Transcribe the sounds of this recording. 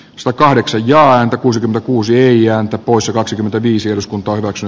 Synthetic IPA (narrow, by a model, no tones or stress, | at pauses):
sɑ̥t̪ækɑhdeksɑjjɑːæːnt̪ækuːsikyment̪ækuːsieiæːnt̪æpoˑisjɑkɑksikymːent̪æʋiːsiehɾuskunt̪ˑɑːohyʋæksyn